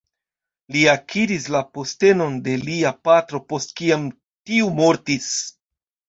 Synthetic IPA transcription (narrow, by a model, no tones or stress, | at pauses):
liakʰiɾislapo̞ste̞no̞nde̞liapatɾo̞po̞st̚kiam | tiumo̞ɾtis